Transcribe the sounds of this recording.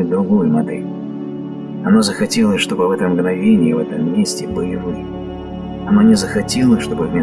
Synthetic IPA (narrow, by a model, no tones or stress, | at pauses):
t̚ʲd̪ɾʊɡojʊmɐd̪ɛ̰lʲ | ɐno̞zəxɐtʲelˠəsʲʂt̪o̞bɨvɛt̪əmɡnɐvʲenʲɪjɪvɛ̰t̪əmːʲesʲtʲɪbɨlʲɪlˠə | ɐno̞nʲɪzəxɐtʲelˠəsʲʂt̪o̞bɨvmʲe